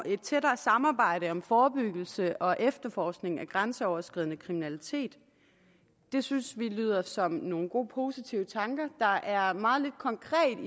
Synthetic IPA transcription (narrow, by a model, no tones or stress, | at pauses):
e̝d̥̚t͡sʰeɾɐːsɑ̈mɑ̈ːb̥ɑ̈ɪ̰ɾəɒ̽mfɒːb̥yɡ̥l̩səʔɒ̽ʔefd̥ɐfɒːsɡ̥ne̝ŋæɡ̥ʁansəɒʊɐsɡ̥ʁiðˠnəkʰʁiminælit͡sʰe̝̰ːd̥ | e̝synsʋily̰ːð̞ˠɐsɒ̽mno̝ːn̩ɡ̥o̝̰ːpʰo̝ːsit͡sʰiʊət͡sʰɑ̈ŋɡ̥ɐd̥ɑ̈ʔæɐmɑ̈ːð̞̩ˠle̝d̥̚kʰɒ̽ŋkʰʁɛ̰ːd̥i